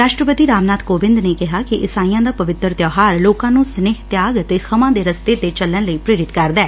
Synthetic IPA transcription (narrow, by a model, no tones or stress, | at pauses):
ɾaːʃʈɾəpət̪iːɾaːmnaːt̪koːʋɪ̃nd̪neːkɪɦaːkɪʔɪsaːĩjãːd̪aːpəʋɪt̪əɾt̪jɔːɦaːɾloːkãːnũːsneːɦt̪jaːɡət̪eːxʰəmãːd̪eːɾəst̪eːt̪eːt͡ʃəlːəɳləiːpɾeːɾɪt̪kəɾd̪ɛː